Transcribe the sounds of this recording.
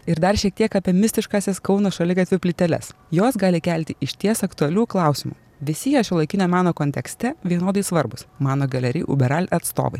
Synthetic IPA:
ɪɾd̪ɐɾʃʲiɛk̚t̪ʲiɛkɑːpʲiɛmʲɪsʲt̪ʲɪʃkɑːsʲɛskɒʊnosʃɐlʲɪɡɐt̪ʲʋʲɪpʲlʲɪt̪ʲɛlʲɛ̰sjoːsɡɑːlʲɪkʲælʲt̪ʲɪʔɪʃʲt̪ʲiɛsɐkt̪ʊɐlʲuːklˠɑˑʊsʲɪmṵ | ʋʲɪsʲɪjɛʃʲɪlˠɐɪkʲɪnʲɛmɑːnoːkoːnʲt̪ʲɛksʲt̪ʲɛʋʲiɛnoːd̪ɐɪsʋɐɾbʊsmɑːnoːɡɐlʲɛɾʲɪ̰ːʔʊ̰bʲɛɾɑːlʲɐt̪st̪o̰ːʋɐɪ

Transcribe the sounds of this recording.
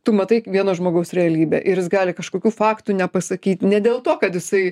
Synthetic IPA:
t̪ʊmɐt̪ɐɪʋʲiɛnoːʒmoːɡɐʊsɾʲɛɐlʲiːbʲḛːʔɪɾʲjɪsɡɑːlʲɪkɐʃkoːkʲuːfɑːkt̪unʲɛpɐsɐkʲiːt̪nʲɛd̪ʲeːlˠt̪oːkɐt̪jɪsɐɪ

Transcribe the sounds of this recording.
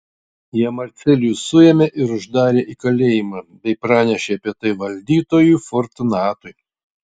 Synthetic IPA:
jiɛmɐɾʲt̪sʲɛlʲjuːsʊjɛmʲeʔɪɾʊʒd̪ɑːɾʲeːʔikɐlʲeːjɪmɑːbʲɛɪpɾɑːnʲɛʃʲeɐpʲiɛt̪ɐɪʋɐlʲd̪ʲiːt̪oːjuːˑfɔɾt̪nɑːt̪ʊɪ

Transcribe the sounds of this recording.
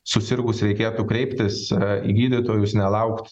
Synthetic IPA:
sʊsʲɪrɡʊsɾʲɛɪkʲeːt̪uːkɾʲɛɪpʲt̪ʲɪsḭːɡʲiːd̪ʲɪt̪oːjʊsnʲɛlˠɐʊkt̪

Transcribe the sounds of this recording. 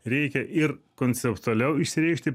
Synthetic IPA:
ɾʲɛɪkʲɛʔɪɾkoːnʲsʲɛpt̪ʊɐlʲɛʊɪʃsʲɪɾʲɛɪʃʲt̪ʲɪ

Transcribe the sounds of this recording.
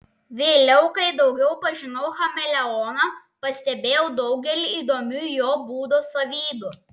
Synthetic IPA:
ʋʲeːlʲɛʊkɐɪd̪ɒʊɡʲɛʊpɐʒʲɪnɐʊxɐmʲɛlʲɛɔːnɐ | pɐsʲt̪ʲɛbʲeːjɛʊd̪ɒʊɡʲɛlʲiiːd̪oːmʲuːjoːbuːd̪oːsɐʋʲiːbʲuː

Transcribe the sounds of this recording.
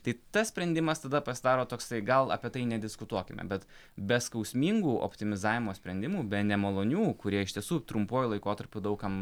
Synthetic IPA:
t̪ɐɪt̪ɐssʲpʲɾʲɛnʲd̪ʲɪmɐst̪ɐd̪ɐpɐsʲɪd̪ɑːɾoːt̪oːksɐɪɡɐlˠɐ̰pʲiɛt̪ɐɪnʲɛd̪ʲɪskʊt̪uɔkʲɪmʲɛ̰bʲɛt̪bʲɛskɐʊsʲmʲiːŋɡuːʔo̰pʲt̪ʲɪmʲɪzɑːʋʲɪmoːsʲpʲɾʲɛnd̪ʲɪmuːbʲɛnʲɛmɐlˠoːnʲuːkʊɾʲiɛɪʃt̪ʲiɛsuːt̪ɾʊmpoːjulˠɐɪkoːt̪ɐɾʲpʲud̪ɐʊkɐm

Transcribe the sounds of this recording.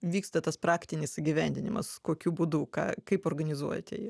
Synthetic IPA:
ʋʲiːkst̪ɐt̪ɐspɾɑːkt̪ʲɪnʲɪsɪɡʲiʋʲɛnʲd̪ʲɪnʲɪmɐskoːkʲuːbuːd̪uːkɑ̰ːkɐɪpoːrɡɐnʲɪzuɔjɛt̪ʲɛ̰

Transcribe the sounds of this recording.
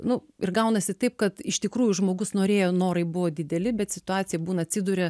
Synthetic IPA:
nʊɪrɡɐʊnɐsʲɪt̪ɐɪp̚kɐt̪ɪʃt̪ʲɪkɾuːjʊʒmoːɡʊsnoːɾʲeːjoːnoːɾɐɪbʊʋoːd̪ʲɪd̪ʲɛlʲɪbʲɛt̪sʲɪt̪ʊɑːt̪t͡ssʲɪjɛbuːnɐɐt̪ʲsʲɪd̪ʊɾʲɛ

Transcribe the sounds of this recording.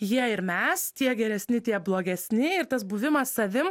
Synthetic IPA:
jiɛɪɾmʲɛst̪ʲiɛɡʲɛɾʲɛsʲnʲɪt̪ʲiɛblˠoːɡʲɛsʲnʲɪɪɾt̪ɐsbuʋʲɪmɐssɐʋʲɪm

